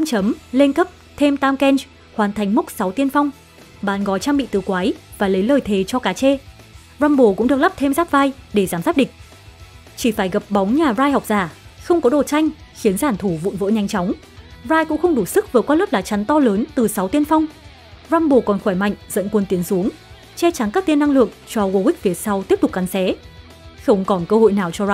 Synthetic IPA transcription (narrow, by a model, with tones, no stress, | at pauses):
a˧mt͡ɕə˨˦mle˧nkə˦˥p̚ | t̪ʰe˧mt̪aː˧mkɛ˧nt͡ɕ | hwaː˨˩˦nt̪ʰa˨˩jŋ̟mʊ˦˥k͡p̚sa˨˦wt̪i˧ənfa˧wŋ͡m | ɓaː˨˦nɣɔ˨˦jt͡ɕaː˧ŋɓḭ˧˨t̪ɨ˨˩kwaː˨˦jvaː˨˩lə˨˦jləː˨˩jt̪ʰe˨˩˦t͡ɕɔ˧kaː˨˦t͡ɕe˧ | zaː˧mɓo˧˩kʊ̰˧˥ŋ͡mɨ˨˩ək̚la˦˥p̚t̪ʰe˧mzaː˦˥p̚vaː˧jɗe˧˩zaː˨˧˩mzaː˦˥p̚ɗï˨˩ŋ̟̚ | t͡ɕi˧˩faː˧˩jɣə˨˩p̚ɓɔ˨˦wŋ͡mɲaː˨˩zaː˧jhɔ˨˩wk͡p̚zaː˧˩xə˧wŋ͡mkɔ˨˦ɗo˨˩t͡ɕa˧jŋ̟xi˨˦ənzaː˧˩nt̪ʰu˧˩vṵ˧˨nvə̰˧˥ɲa˧jŋ̟t͡ɕɔ˨˦wŋ͡m | zaː˧jkʊ̰˧˥ŋ͡mxə˧wŋ͡mɗu˧˩sɨ˦˥k̚vəː˨˩kwaː˧lə˦˥p̚laː˨˩t͡ɕa˨˦nt̪ɔ˧ləː˨˦nt̪ɨ˨˩sa˨˦wt̪i˧ənfa˧wŋ͡m | zaː˧mɓo˨˩kɔ˨˩nxwɔː˧˩jma̰˧˨jŋ̟zə̰˧˨nkwə˧nt̪i˨˦ənsu˨˦əŋ | t͡ɕɛ˧t͡ɕa˨˦ŋkaː˦˥kt̪i˧nːa˧ŋlɨ̰˧˨əŋt͡ɕɔ˧ɣo˧wi˦˥k̚vi˨˩ətsa˧wt̪i˦˥əp̚t̪k̚ka˨˦nsɛ˨˦ | xə˧wŋ͡mkɔ˨˩nkəː˧ho̰˧˨jnaː˨˩wt͡ɕɔ˧za˧